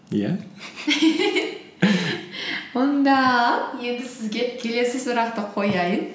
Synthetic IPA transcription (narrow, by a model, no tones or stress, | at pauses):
jæ̰ | wʊnd̪ɑje̞nd̪ɪsɪzɡʲe̞kʲʰe̞le̞sɪsʊɾɑqt̪əqʰo̞jɑjən